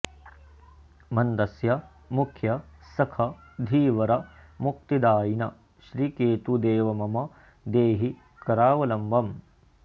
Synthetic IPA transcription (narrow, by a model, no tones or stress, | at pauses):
mɐnd̪ɐsjɐ | mukʰjɐsɐkʰɐd̪ʱiːʋɐɾɐmuk̚t̪id̪aːjinɐ | ʃɾikeːt̪ud̪eːʋɐmɐmɐ | d̪eːɦi | kɐɾaːʋɐlɐmʋɐm